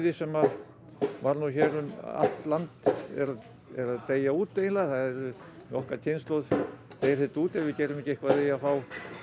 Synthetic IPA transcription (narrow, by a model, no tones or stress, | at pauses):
ðɪsɛmað | vaɾnuçɛɾʏma̰lt̪lant̪ɛ̰ɾa | ɛɾaðt̪eːjauːt̪ːejɪnlaθaðɛɾʏ | nɔhkacʰenst̪loð | t̪ejɪɾθɛt̪uːt̪ɛɾvɪcɛɾʏmɛhcɪehkvat̪ejafaːw